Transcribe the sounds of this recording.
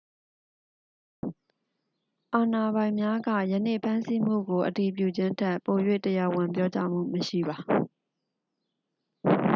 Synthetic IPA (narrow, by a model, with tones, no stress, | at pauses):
ʔa˨na˨bã˨ɪ̃mja˦ɡä̰˦˨jə˨nḛ˦˨pʰã˦nsi˦m̥ṵ˦˨ɡo˨ʔəti˨p̬jṵ˦˨d͡ʑɪ̃˦ntʰɛ˦ʔpo˨jwḛ˦˨təja˨wɪ̃˨mp̬jɔ˦t͡ɕa̰˦m̥ṵ˦˨məʃḭ˦˨ba˨